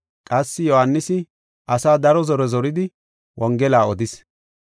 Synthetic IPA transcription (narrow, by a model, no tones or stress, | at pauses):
kʼɐsːɪjɔhanːɪsɪ | ʔɐsaːd̪ɐɾɔzɔɾɛzɔɾɪd̪ɪ | wʔɔŋɡɛlaːɔd̪ɪs